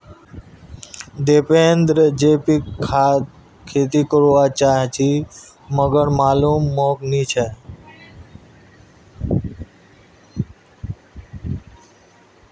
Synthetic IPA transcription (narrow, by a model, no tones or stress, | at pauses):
d̪eːpeːnd̪ɾəd͡ʒeːpikʰːaː | kʰeːt̪iːkəɾʋat͡ʃaːɦt͡ʃʰi | məɡəɳmaːlumːoːkniːt͡ʃʰɛ